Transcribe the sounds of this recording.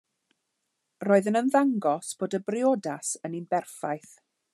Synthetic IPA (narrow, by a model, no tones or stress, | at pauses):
roːɨðənənðaŋɡɔsb̥oːdəbrɪodasəninbɛrfajθ